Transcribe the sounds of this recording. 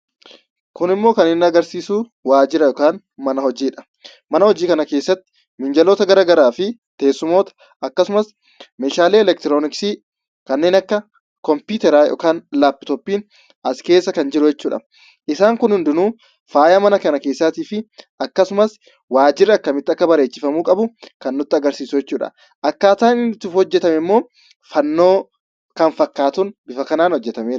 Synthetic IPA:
kʊnɪmːo̞ːkɐnɪnːɐɡɐɾsiːsuː | waːd͡ʒɪɾɐjɔkaːn | mɐnɐhɔd͡ʒiːᶑɐ̥ | mɐnɐhɔd͡ʒiːkɐnɐkeːsːɐt̪ːɪ̥ | mɪnd͡ʒɐloːt̪ɐɡɐɾaːɡɐɾaːfɪt̪eːsːʊmo̞ːt̪ɐ̥ | ɐkːɐsʊmɐs | meːʃaːleːɛlɛkt̪ɪɾoːnɪksiː | kɐnːe̞ːnɐkːɐ | kɔmpuːt̪ɛɾaːjɔ̰ːkaːnlaːpːɪ̥t̪ɔpːiːn | ʔɐskeːsːɐkɐnd͡ʒɪɾʊjɛt͡ʃːuːᶑɐ̰ | ʔɪsaːŋkʊnhʊnd̪ɪnuː | faːjɐmɐnɐkɐnɐke̞ːsːaːt̪iːfɪʔɐkːɐsʊmɐs | waːd͡ʒɪrːɪɐkːɐmɪt̪ːɪɐkːɐbɐɾe̞ːt͡ʃːɪfɐmuːkʼɐbʊkɐnːʊt̪ːɪɐɡɐɾsiːsʊjɛt͡ʃːuːᶑɐ̰ | ʔɐkːaːt̪aːnɪnt̪ːʊfhɔd͡ʒːɛt̪ɐmɛmːo̞ː | fɐnːo̞ː | kɐnfɐkːaːt̪ʊnbɪfɐkɐnaːnhɔd͡ʒːɛt̪ɐmeː

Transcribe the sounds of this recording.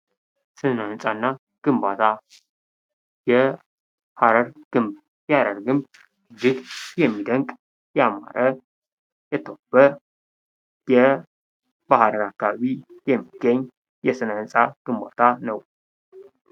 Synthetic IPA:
sɨnansʼanːa | ɡ̥ɨmbat̪ʰa | jɛ | haɾəɾɡ̥ɨmb | jaɾəɾɡɨmb | d͡ʒɪɡjɛmːid̪əŋkʼ | jɛama̰ɾʔə | jɛt̪ʰəwb̥ə | jɛ | bahɾənakːaβaβijɛmːiɡ̥ːəɲː | jɛsɨnansʼaɡ̥ɨmbat̪ʰanəw

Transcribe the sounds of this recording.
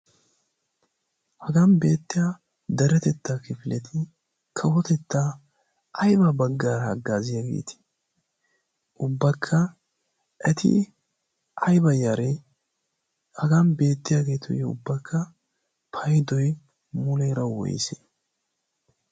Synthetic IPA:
hɐɡɐnbe̞ːt̪ːɪja | d̪ɐɾɛt̪ɛt̪ːaːkɪfɪlɛt̪ʰɪ | kʰɐwɔt̪ɛt̪ːa | ɐjbɐbɐɡːaːɾɐɡːaːzɪjaɡḛːt̪ɪ̥ | ʔʊbːɐkʰːɐ | ʔɛt̪ʰɪ̰ | ʔɐjbɐjaɾɛ | hɐɡɐnbe̞ːt̪ːɪjaɡe̞ːt̪ʰɔ̰jɛʊ̰bːɐkʰːɐ | pʰɐjd̪ɔj | mʊlɛjɾɐwɔ̰j̰sḛ

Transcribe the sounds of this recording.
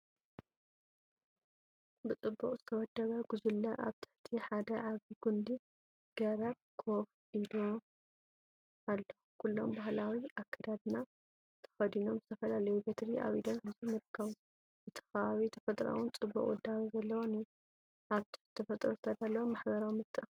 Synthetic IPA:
bɨt͡sʼɨbːuχʼzɨt̪ʰɐwɔd̪ːɐβɐɡ̥uzulːɐʔa̰βt̪ʰɨ̥ħt̪ʰiħad̪ɐʕaβiɡund̪i | ɡ̥ɐɾɐb̚kʰof | id̪o | ʔalːɐ | kʰulːo̞mbaɦlawiʔakʰːɐd̪ad̪ɨna | t̪ʰɐ̥xɐd̪ino̞mzɨt̪ʰɐfɐlalɐjubet̪ɾia̰βid̪ɐnħɨzimɨɾkʰːaβ | zɨt̪ʰɐ̥xɐaβit̪ʰɐ̥fɐt̪ʼɾa̰wunt͡sʼɨbːṵkʼwṵd̪ːawizɐlːɐwoniju | ʔaβt̪ʰɨ̥ħit̪ʰɐfɐt̪ʼɾozɨt̪ʰɐd̪alːɐwomːaħbɐɾawmɨt̪ʼːɨʔx

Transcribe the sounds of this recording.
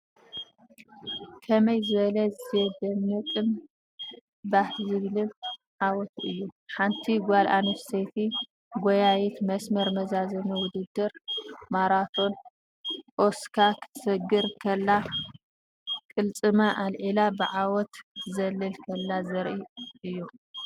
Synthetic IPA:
kʰɐmɐjzɨβɐlɐzed̪ɐmːɨkʼɨn | bahzɨβlɨl | ʕawɔt̪ʰʔɨjːuħant̪ʰiɡʷalʔanɐfset̪ʰi | ɡojajit̪mɐsmɐɾmɐzazɐnɨwʊd̪ɨd̪ːɨɾmaɾat̪ʰo̞n | ʔoskʰakʰɨ̥t̪ʰsɐɡɨɾkʰɐlːa | kʼɨlt͡sʼɨmɐʔalʕilabɨʕawɔt̪zɐlːɨlkʰɐlːazɐɾʔiʔɨjːu

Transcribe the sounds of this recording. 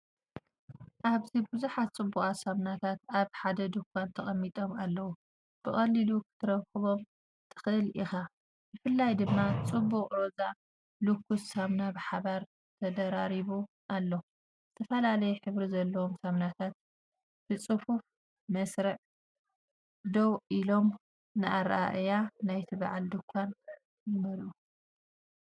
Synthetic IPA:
ʔaβzibɨzuħat̪̚t͡sʼɨbːukʼasamnat̪ʰat̪aβħad̪ɐd̪ukʰːant̪ʰɐχʼɐmːit̪ʼo̞malːɐwu | b̥ɨxʼɐlːilukʰɨ̥t̪ʰɨɾɐkʰɨβo̞m | t̪ʰɨ̥xɨʔɨlʔixa | jɨfɨlːajd̪ɨmːat͡sʼɨbːukʼɾoza | lukːussamnabɨħaβaɾ | t̪ʰɐd̪ɐɾaɾiβu | ʔalːo | zɨt̪ʰɐfɐlalɐjɛħɨβɾizɐlːɐwomsamnat̪ʰat̪̚ | b̥ɨt͡sʼɨfuf | mɐsɾɐʕ | d̪owʔilo̞m | nɨʔaɾʔa̰ʔjanajt̪ʰɨba̰ʕald̪ɨkʷʰːan | jɪmɐlʔu

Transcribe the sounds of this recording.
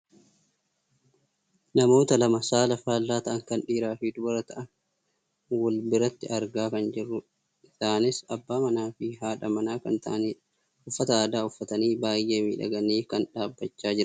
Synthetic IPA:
nɐmo̞ːt̪ɐlɐmɐsaːlɐfaːlːaːt̪ɐʔɐŋkɐnᶑiːɾaːfid̪ʊbɐɾɐt̪ɐʔɐn | wɔlbɪɾɐt̪ːɪʔɐɾɡaːkɐnd͡ʒɪrːʊ | ɪsaːnɪsɐbːaːmɐnaːfɪɦaːᶑɐmɐnaːkɐnt̪ɐ̰ʔn | ʊfːɐt̪ɐaːd̪aːʊfːɐt̪ɐniːbaːjʔe̞ːmiːᶑɐ̰ɡɐniːkɐnᶑaːbːɐt͡ʃːaːd͡ʒɪɾɐ

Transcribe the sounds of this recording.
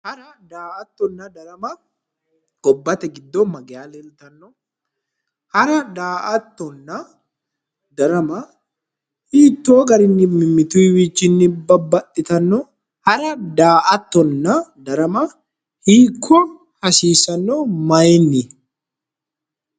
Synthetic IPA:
hɐɾɐd̪aːʔɐt̪ːɔnːɐd̪ɐɾɐmɐ | ɡ̥ɔbːɐt̪ɛɡɪd̪ːɔmɐɡɛjaːlɛlt̪ɐnːɔ | hɐɾɐd̪aːʔɐt̪ːɔnːɐ | d̪ɐɾɐmɐ | hiːt̪ːoːɡɐɾɪnːɪmɪmːɪt̪uwiːt͡ʃːɪnːɪbɐbːɐt̪ʼːɪt̪ɐnːɔ | hɐɾɐd̪aːʔɐt̪ːɔnːɐd̪ɐɾɐmɐ | hiːkʰːɔ | hɐsiːsɐnːomɐjnːɪ

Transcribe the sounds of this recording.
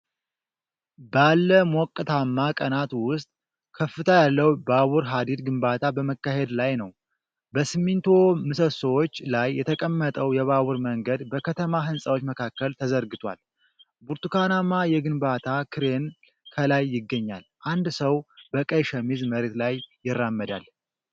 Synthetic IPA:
balːəmɔkʼːɨt̪ʰamːakʼənat̪wʊst̪ʼ | kʰəfːɨt̪ʰajalːəwbaβuɾɦad̪id̪ɡɨmbat̪ʰabəməkːaɦe̞d̪lajnəw | bəsɨmːint̪ʰomɨsəsowot͡ʃːlajːɛt̪ʰəkʼəmːət̪ʼəwjɛβaβuɾməŋɡəd̪bəkʰət̪ʰəmaɦɨnsʼəwot͡ʃːməkʰakːəlt̪ʰəzəɾɡɨt̪ʰwa̰l | buɾt̪ukʰanamajɛɡɨnbat̪ʰakʰɨɾen | kʰəlajːɪɡːəɲːalʔand̪səwbəkʼəjʃɛmizməɾet̪lajːɪrːamːəd̪a̰l

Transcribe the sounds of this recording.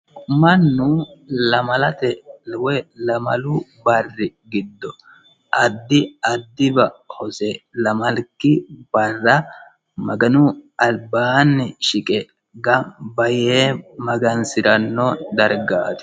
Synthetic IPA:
mɐnːʊlɐmɐlɐt̪ɛwɛlɐmɐ̰lʊbɐrːɪɡɪd̪ːɔ | ʔɐd̪ːɪɐd̪ːɪbɐhɔsɛlɐmɐlkːɪb̥ɐrːɐ | mɐɡɐnʊɐlbaːnːɪʃɪkʼɛ | ɡɐbɐjeːmɐɡɐnsɪɾɐnːɔd̪ɐɾɡa̰ːt̪ɪ̥

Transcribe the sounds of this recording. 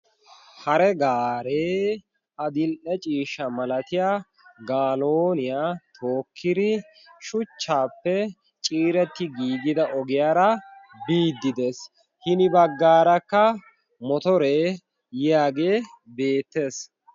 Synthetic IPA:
hɐɾɛɡaːɾeː | ʔɐd̪ɪlʔɛt͡ʃʼiːʃːɐmɐlɐt̪ɪjaː | ɡaːlo̞ːnɪjaːt̪ʰo̞ːkʰːɪd̪ɪ | ʃʊt͡ʃːaːpːɛ | t͡ʃʼiːɾɛt̪ːɪɡiːd̪ɪd̪ɐʔɔɡɪjaːɾɐ | biːd̪ːɪd̪es | hɪnɪbɐɡːaːɾɐkːɐ | mɔt̪ɔɾeː | jɪaːɡe̞ː | be̞ːt̪ːe̞ːs

